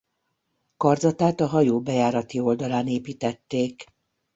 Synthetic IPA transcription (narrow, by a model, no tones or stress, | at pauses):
kɒrd̪zɒt̪aːt̪ɒɦɒjoːbɛjaːɾɒt̪io̞ld̪ɒlaːneːpiːt̪ɛt̪ːeːk